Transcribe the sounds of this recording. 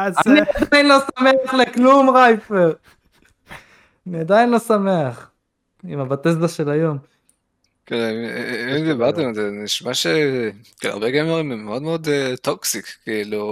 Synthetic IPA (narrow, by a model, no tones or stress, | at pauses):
aaniad̪ajnlo̞same̞aχleklumʁajfeʁ | aniad̪ajinlo̞same̞aχ | imabat̪ezd̪aʃe̞lajo̞m | keniimd̪ibaʁt̪emalzeniʃmaʃekela̰ʁbeɡemeʁimemːeod̪meod̪et̪oksikkiilu